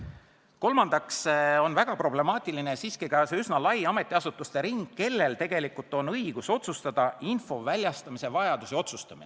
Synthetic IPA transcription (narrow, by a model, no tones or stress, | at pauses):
ko̞lmɑnd̪̥ɑkso̞nvæɡ̥ɑpro̞ble̞mɑːt̪ʲˑilinesiskikɑseysnɑlɑjɑme̞t̪ːˑiɑsut̪ːˑust̪e̞ɾiŋɡ̥ke̞lːe̞lt̪e̞ɡ̥e̞likult̪ːˑo̞nɤjɡ̥uso̞t̪sust̪ɑd̪̥ɑinfo̞vælʲjɑst̪ɑmise̞vɑjɑd̪̥useo̞t̪sust̪ɑmin